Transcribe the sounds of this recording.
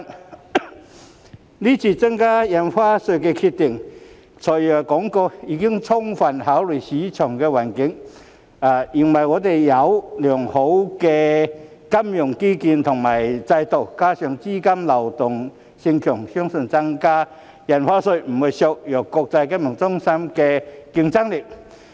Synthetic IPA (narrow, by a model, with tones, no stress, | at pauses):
liː˥t͡sʰiː˧t͡sɐ˥ŋkaː˥jɐ˨˩nfaː˥sɵ˧kɛ˧kʰi˧t̪̚ɪ˨˩ŋ | t͡sʰɔː˨˩jjɔ˨˩kɔː˨˥ŋkɔ˧iː˧kɪ˥ŋt͡sʰʊ˥ŋfɐ˨˩nhaː˨˥wly˨˩siː˨˥t͡sʰœː˨˩ŋkɛː˧waː˨˩nkɪ˨˥ŋ | aː˨˩ji˨˩nwɐ˨˩jŋɔː˨˧t̪e˨˩jjɐ˨˧wlœː˨˩ŋho˨˥wkɛ˧ | kɐ˥mjʊ˨˩ŋkiː˥ki˧nt̪ʰʊ˨˩ŋmaː˨˩jt͡sɐ˧jt̪o˨˩wkaː˥sœ˨ŋt͡siː˥kɐ˥mlɐ˨˩wt̪ʊ˨˩ŋ | sɪ˧ŋt͡ʃʰœː˨˩ŋsœ˥ŋsɵ˧nt͡sɐ˥ŋkaː˥ | jɐ˨˩nfaː˥sɵ˧m̩˨˩hu˨˩sɔː˧k̚jœː˨˩kkːɔː˧k̚t͡sɐ˧jka˥mjʊ˨˩ŋt͡sʊ˥ŋsɐ˥mkɛ˧ki˧ŋt͡sɐ˥ŋlɪ˨˩k̚